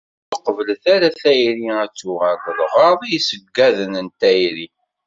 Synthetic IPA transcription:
θəqvəlθæɾæθæjɾiæt͡sːuʁækðʁɑðˤijsəɡːæðənənt̪æjɾi

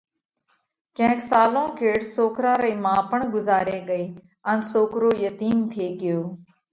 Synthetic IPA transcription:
kə̃ːksaːlõːkʰeːʈsoːkɾãːɾəiːmãːpəɳɡʊzaːɾeːɡəeː | ənsoːkɾoːjət̪iːnt̪ʰeːɠɪjoː

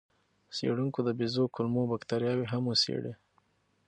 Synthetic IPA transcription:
sḛɽuŋkod̪əbizokʊlmobakt̪aɾjɑweɦamwəsḛɽe

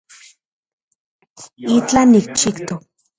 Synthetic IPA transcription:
it͡ɬanik̚t͡ʃikt̪o

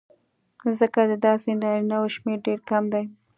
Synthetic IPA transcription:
zəkad̪əd̪ɑsenɑɾinawoʃmeɾɖeɾkamd̪aj

